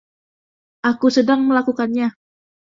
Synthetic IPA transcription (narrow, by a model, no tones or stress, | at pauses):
ʔakusədaŋməlakukanɲa